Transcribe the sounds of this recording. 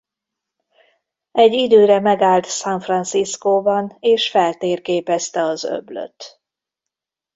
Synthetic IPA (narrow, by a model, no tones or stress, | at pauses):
ɛɟːid̪øːɾɛmɛɡaːlt̪saɱfrɒnsiskoːbɒneːʃfɛlt̪eːrkeːpɛst̪ɛɒzø̰blø̰t̪